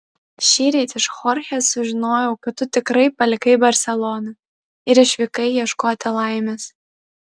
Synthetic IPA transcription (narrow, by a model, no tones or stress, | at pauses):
ʃʲiːɾʲɛt̪ʲɪʃxɔːɾʲxʲɛsʊʒʲɪnoːjɛʊkɐt̪t̪ːʊt̪ʲɪkɾɐɪpɐlʲɪkɐɪbɐɾʲsʲɛlˠɔnɐ | ɪɾɪʃʲʋʲɪkɐɪjiɛʃkoːt̪ʲɪlˠɐˑɪmʲes